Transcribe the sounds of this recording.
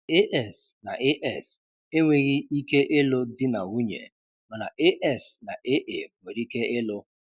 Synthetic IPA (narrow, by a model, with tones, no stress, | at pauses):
e˦ʔɛ˦˨sna˨ʔe˦ʔɛ˦˨s | e˦ŋʷe˨ɣi˦i˦ke˦ʔɪ˦lʊ˦dɪ˦na˨u˦ɲḛ˨ | mɔ˨na̰˨ʔe˦ʔɛ˦˨sna̰˨ʔe˦ʔe˨ŋʷe˨ɾi˦ke˦ʔɪ˦lʊ˦